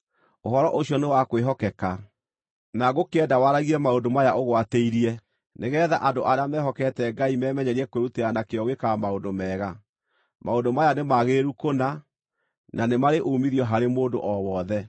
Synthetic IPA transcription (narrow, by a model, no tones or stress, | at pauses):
oɦɔɾɔʔoɕjɔnewakweɦɔkɛka | naɣokeɛdawaɾaɣiɛmaondomajaʔoɣwateiɾiɛ | neɣɛːðaʔadoʔaɾeamɛːɦɔkɛtɛɡaimɛːmɛɲɛɾiɛkweɾuteanakeɔɣekamaondomɛːɣa | maondomajanemaɣeɾukona | nanemaɾeʔomiɾjɔɦaɾemoːndo̰ʔɔwɔðɛ